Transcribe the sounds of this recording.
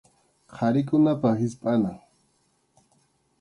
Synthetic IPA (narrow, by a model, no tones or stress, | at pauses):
qʰaɾɪkʊnapahɪspʼanaŋ